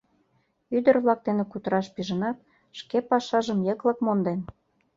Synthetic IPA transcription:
yd̪ə̆rβlɑk̚d̪enekut̪əɾɑʃpiʒə̆nɑt̪̚ | ʃkepɑʃɑʒəmjəklɤ̆kmond̪en

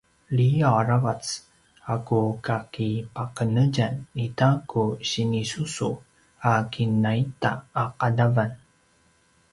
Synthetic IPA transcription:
liaɾavat͡s | akukakipaqənəɟanitakʰuɕinisusu | akʰinaita̰ːqadavan

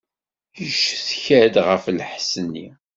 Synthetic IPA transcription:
jəʃθçæd̪ʁəflħsənːḭ

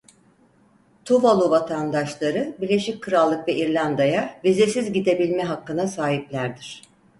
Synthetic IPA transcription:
t̪ʰuvalˠuvat̪ʰand̪aʃlˠaɾɯbiɾlʲe̞ʃic̚kʰɯɾalˠːɯkvɛʔiɾlʲand̪ajavize̞sizɟid̪e̞bilʲmɛɦakːɯnasaːɦiplʲæɾd̪iɾ̥

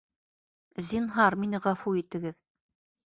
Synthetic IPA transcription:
zʲinɦɑɾminɘʁɑfuit̪ɘ̆ɡɘð

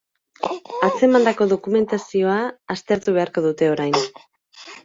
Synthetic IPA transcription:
at͡se̞mand̪ako̞ðo̞kume̞nt̪asio̞aːst̪e̞ɾt̪uβ̞e̞aɾko̞ð̞ut̪e̞o̞ɾajn

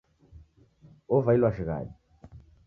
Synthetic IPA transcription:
ovailwaʃiɣa̰li

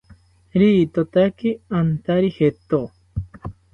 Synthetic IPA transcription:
ɾiːt̪ot̪akiant̪aɾihet̪o

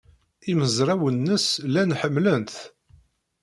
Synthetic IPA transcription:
iməzɾˤæwənːəslænħəmːlənθ

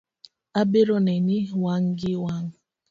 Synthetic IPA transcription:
abeɾɔnenɪwaŋ̩ɡɪwaŋ̩

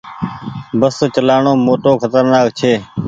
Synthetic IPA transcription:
bəst͡ʃəlaːɳoːmoːʈoːkʰət̪əɾnaːk̚t͡ʃʰeː

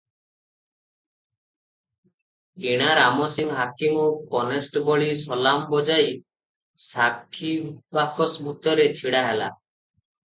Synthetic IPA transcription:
eɽ̃aɾamɔsiŋɦakimɔpɔnesʈbɔɭisɔlambɔd͡ʒaj | sakʰːibakɔsbʱut̪ɔɾet͡ʃʰiɽaɦela̰

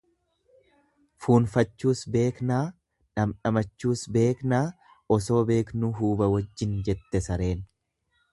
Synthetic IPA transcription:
fuːnfɐt͡ʃːuːsbe̞ːknaː | ᶑɐmᶑɐmɐt͡ʃːuːsbe̞ːknaː | ɔso̞ːbe̞ːknuɦuːbɐwɐd͡ʒːɪnd͡ʒɛt̪ːɛsɐɾe̞ːn

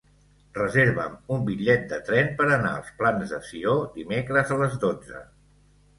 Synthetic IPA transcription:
rəzeɾβə̰mumbiʎɛt̪̚d̪ət̪ɾɛnpəɾəna̰ə̰lˠsplanzðə̰siod̪imekɾəzələzðod͡zə̰

